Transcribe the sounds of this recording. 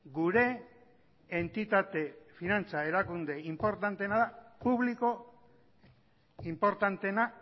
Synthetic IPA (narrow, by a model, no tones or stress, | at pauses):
ɡuɾe̞ː | nt̪it̪at̪e̞finant͡sae̞ɾakund̪e̞impo̞ɾt̪ant̪e̞naðapuβliko̞ | impo̞ɾt̪ant̪e̞na